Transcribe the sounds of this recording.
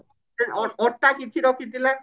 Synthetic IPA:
eɔɔʈːakit͡ɕʰiɾɔkʰid̪ilan

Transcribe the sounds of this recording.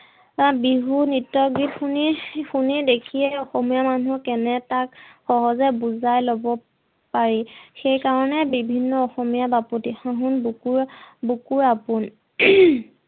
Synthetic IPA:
abiɦunitːɔɡitxunixunidekʰijɛɔxɔmijamanuɹkɛnɛtakxɔɦɔzɛbuzajlobɔ | paɹixejkaɹɔnɛbibʱinːɔɔxɔmijabapotixãɦʊnbukuɹbukuɹapʊn

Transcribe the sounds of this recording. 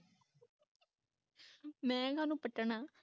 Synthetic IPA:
mɛ̃ːɡʱanupəʈːəɳaː

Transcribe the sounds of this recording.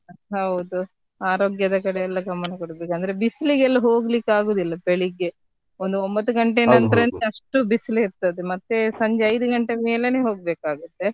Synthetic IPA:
ɦɐwud̪u | aːɾoːɡjɐd̪ɐkɐɽeɛlːɐɡɐmːɐnɐkoɽɐbeːkɐnd̪ɐɾebisliɡɛlːɐɦoːɡlikːaːɡoːd̪ilːɐpeɭiɡːe̞ | ond̪uombɐt̪ːuɡɐɳʈenɐnt̪ɐɾɐnɐʂʈubisliiɾt̪ɐd̪emɐt̪ːe̞sɐɲd͡ʒeɐjd̪uɡɐɳʈemeːleneɦo̞ːɡ̚beːkaːɡut̪ːe̞

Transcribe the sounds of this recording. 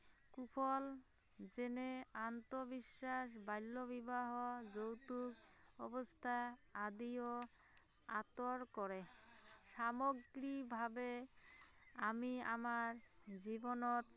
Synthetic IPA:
kupʰɔl | d͡ʑeneant̪obiʃːaʃ̬bajlːobibaɦod͡ʑowt̪ukɔ̰bost̪ʰaad̪io | a̰t̪oɾkɔɾeʃamoɡɾikbʱabe | amia̰maɾd͡ʑibonot̪

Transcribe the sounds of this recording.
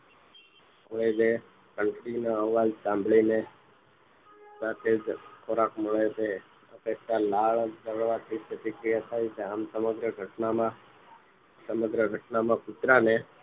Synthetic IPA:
oɭed͡ʒe | kəɳʈɾinəəʋːad͡ʒsãmbʱɭine | sat̪ʰed͡ʒkʰoɾakməɭet͡ʃʰe | ə̰pekʃalaɭd̪əʋɭʋat̪ʰipət̪ikɾijat̪ʰajt͡ʃʰeamsəməɡɾəɡʱəʈnamã | səməɡɾəɡʱəʈnamãkut̪ɾane

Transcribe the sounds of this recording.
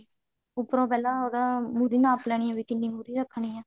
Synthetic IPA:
ʊpɾõːpɛːlãːoːɾãːmuːɾiːnãːplɛːɳiːãːʋiːt̪ɪnːĩːmuːɾiːɾəkʰːɳiːãː

